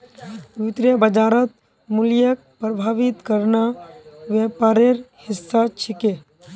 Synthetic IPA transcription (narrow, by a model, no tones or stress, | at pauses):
ʋɪt̪ɾjəbəd͡ʒaːɾət̪̚ | mʊljək̚ | pɾəbʱaːʋɪt̪kəɾnaʋepaːɾeɾhɪsːat͡ʃʰɪke